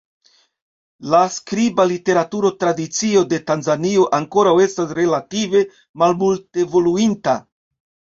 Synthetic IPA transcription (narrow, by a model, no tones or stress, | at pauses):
laskɾibalite̞ɾatuɾo̞tɾadit͡sio̞de̞tanzanio̞ʔaŋko̞ɾawe̞stasɾe̞lative̞ | malmultevo̞luinta